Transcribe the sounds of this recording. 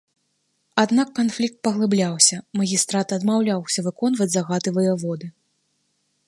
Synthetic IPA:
ad̪nakːanflʲik̚t̪̚pɐɣlˠɨblʲawsʲɐmɐɣʲist̪ɾat̪ɐd̪mawlʲawsʲɐvɨkɔn̪vɐd͡zʲzaɣat̪ɨvɨjɐvɔd̪ɨ

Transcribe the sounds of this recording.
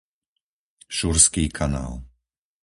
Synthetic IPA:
ʃuɾskiːkʰana̰ːl

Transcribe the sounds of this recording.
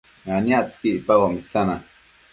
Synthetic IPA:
anjat͡skiʔpawamit͡sana

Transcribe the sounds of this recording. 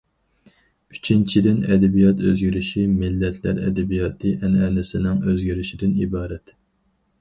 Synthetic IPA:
yt͡ʃʰint͡ʃʰid̪ɪnɛd̪ɛbijɑt̪øzɡʲiɾɪʃimɪlːɛt̪ʰlæɾɛd̪ɛbijɑːt̪ʰɨʔɛnɛnɪsɪnɪŋøzɡʲiɾɪʃid̪ɪnibɑːɾɛt̪

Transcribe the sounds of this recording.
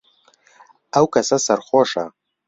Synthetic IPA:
awkʰɐsasɐrχʷoʂa̰

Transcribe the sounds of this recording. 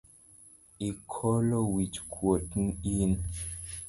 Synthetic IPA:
ikʰɔlowit͡ʃkʰwotn̩in

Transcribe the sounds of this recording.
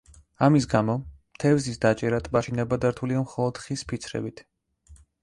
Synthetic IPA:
amisɡamɔmt̪ʰɛvzisd̪at͡ʃʼɛɾat̪ʼmaʃinɛbad̪aɾt̪ʰuliamχɔlˠɔd̪̥χispʰit̪sʰɾɛ̰bit̪ʰ

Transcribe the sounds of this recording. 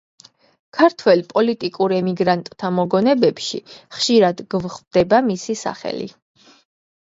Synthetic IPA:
kʰaɾt̪ʰwɛlpʼɔlit̪ʼikʼuɾɛmiɡɾant̪ʼt̪ʰːamɔɡɔnɛbɛpʃḭχʃiɾad̪ɡvχvd̪̥ɛbamisisa̰χɛ̰lḭ

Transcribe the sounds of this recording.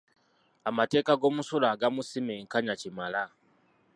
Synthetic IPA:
amate̞ːkaɡo̞ːmusulaːɡamusimeːŋkaɲacimala

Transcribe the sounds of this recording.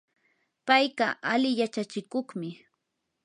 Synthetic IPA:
pajɢɑʔalɪjat͡ʃat͡ʃɪkoχmɪ

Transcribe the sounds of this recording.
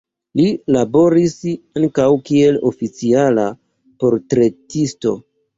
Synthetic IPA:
lilabo̞ɾisaŋkawkie̞lo̞fit͡siala | po̞ɾtɾe̞tisto̞

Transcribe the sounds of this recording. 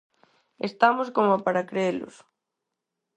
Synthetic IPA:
ḛst̪amʊskomopaɾakɾeelʊ̰s

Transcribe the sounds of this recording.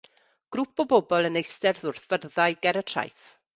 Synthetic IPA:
ɡ̥ɾʊpʰɔbɔbɔlˠənejstɛrðʊrθv̥ərðajɡɛɾətʰra̰jθ

